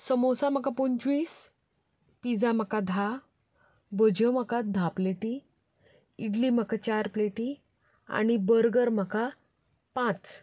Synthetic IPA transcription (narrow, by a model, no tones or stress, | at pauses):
səmosam̤əkapoɲt͡ɕʋiːs | pid͡zam̤əkad̪ʱa | bəd͡ʑəməkad̪ʱapleʈi | iɽlim̤əkat͡ɕaɾpleʈi | a̰ɽ̃ibəɾɡəɾm̤əka | pãt͡s